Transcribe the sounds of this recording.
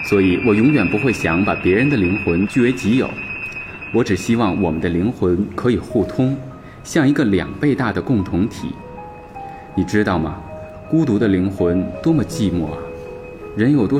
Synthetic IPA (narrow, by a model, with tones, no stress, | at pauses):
swɔ˧˥i˨˩˦wɔ˨˩jʊ˧˥ŋjɥɛ˨˩npu˧˥xwe˥˩ɪɕjɑ˧˥ŋpa˨˩pjɛ˧˥ɻə˧˥nd̪ə˧˨li˧˥ŋxwə˧˥nt͡ɕy˥˩we˧˥ɪt͡ɕi˧˥jo̰˨˩˦ʊ | wɔ˧˥ʈ͡ʂɻ̩˨˩ɕi˥wɑ˥˩ŋwɔ˨˩mə˦nd̪ə˧li˧˥ŋxwə˧˥nkʰɤ˧˥i˨˩xu˥˩t̪ʰʊ˥ŋ | ɕjɑ˥˩ŋi˧˥ɡə˧ljɑ̰˨˩ŋpe˥˧ɪt̪a˥˩d̪ə˩kʊ˥˩ŋt̪ʰʊ˧˥ŋt̪ʰḭ˨˩˦ | ni˨˩ʈ͡ʂɻ̩˥t̪ɑ˥˩ʊmɐ̰˩ | ku˥t̪̬u˧˥d̪ə˧li˧˥ŋxwə˧˥nt̪wɔ˥mə˨t͡ɕi˥˧mwɔ˥˩ɐ˩ | ɻə˧˥njo˨˩ʊt̪wɔ˥